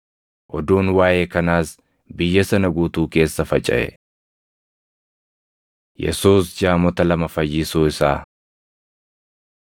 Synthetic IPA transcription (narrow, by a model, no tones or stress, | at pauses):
ʔɔd̪uːnwaːjeːkɐnaːs | bɪjːɐsɐnɐɡuːt̪uːke̞ːsːɐfɐt͡ʃʼɐ̰ʔɛ̰ | jɛ̰suːsd͡ʒaːmɔt̪ɐlɐmɐfɐjːɪsuːɪsaː